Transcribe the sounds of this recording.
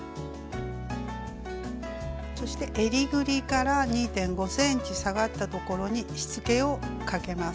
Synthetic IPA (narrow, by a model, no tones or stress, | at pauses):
so̞ɕi̥t̪e̞ʔeɾʲiɡɯ̟ɾʲikaɾaɲ̟iːt̪ẽ̞ŋɡo̞sẽ̞ɲ̟t͡ɕisaɡat̪ːat̪o̞ko̞ɾo̞ɲ̟iɕi̥t͡sɨke̞o̞kake̞mas